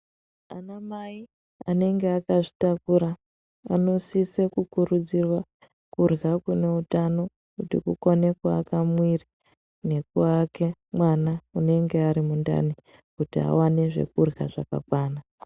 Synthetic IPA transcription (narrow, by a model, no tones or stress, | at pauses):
a̰namai | a̰ne̞ŋɡeakaʐitakuɾa | a̰no̞sisekukuɾud͡zirwa | kurɣakune̞utano̞ | kutikukone̞kwaːkamwiri | ne̞kuake̞mwanaune̞ŋɡe̞aɾimunda̰ni | kutia̰wane̞ʐḛkurɣa̰ʐaka̰kwaːna